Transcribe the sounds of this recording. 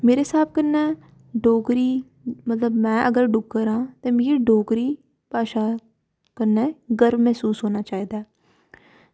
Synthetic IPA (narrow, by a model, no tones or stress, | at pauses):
meːɾeːsaːb̚kənːɛː | ɖoːkɾiː | mət̪ləbmɛ̃ːʔəɡəɾɖʊɡːəɾãːt̪ẽːmiːɾɖoːkɾiː | paːʃaː | kənːɛːɡəɾmɛːsuːsɦoːnaːt͡ʃaːiːd̪aɛː